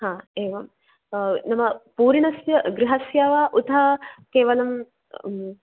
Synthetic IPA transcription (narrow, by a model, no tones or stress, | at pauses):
hãːeːʋɐm | nɐmɐpuːɾiɳɐsjɐɡɾɪɦɐsjaːʋaːʔut̪ɐkeːʋɐlɐm